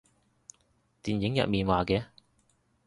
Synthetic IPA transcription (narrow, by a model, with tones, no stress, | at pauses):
t̪iː˨njɪ˨˥ŋjɐ̰˨t̚miː˨nwaː˨kɛː˧˥